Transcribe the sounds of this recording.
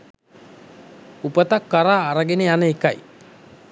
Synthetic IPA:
upət̪akːaɾaːɾəɡenejanəeka̰j

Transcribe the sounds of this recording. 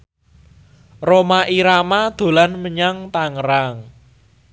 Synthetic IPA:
romaʔiɾamad̪̥o̤lanməɲaŋt̪aŋəɾaŋ

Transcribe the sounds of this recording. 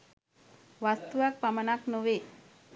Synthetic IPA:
ʋast̪uʋak̚pamənaknoʋe

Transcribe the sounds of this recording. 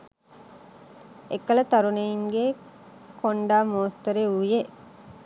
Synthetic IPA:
ekːələt̪ɐɾunejiŋɡe | koɳɖaːmoːst̪əɾeuje

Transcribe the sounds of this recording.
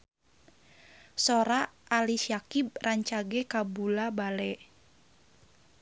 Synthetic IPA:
soɾaːliʃiakib̚raɲt͡ʃaɡɛkabulabalɛ

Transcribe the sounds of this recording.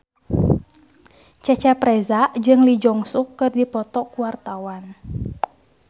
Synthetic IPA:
t͡ʃɛt͡ʃɛpɾɛzaʔd͡ʒɨŋlid͡ʒɔŋsukːɨrdipɔt̪ɔkuwart̪awan

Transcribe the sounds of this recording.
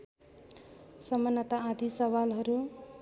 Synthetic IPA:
sʌmʌnːʌt̪aad̪ʱisʌβalɦʌɾu

